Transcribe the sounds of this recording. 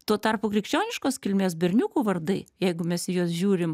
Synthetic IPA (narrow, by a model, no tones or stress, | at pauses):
t̪uɔt̪ɐrpʊkɾʲɪkʃʲt͡ʃʲoːnʲɪʃkoːskʲɪlʲmʲeːsbʲɛɾʲnʲuːkuːʋɐrd̪ɐɪjɛɪɡʊmʲɛsɪjuɔsʒʲuːɾʲɪm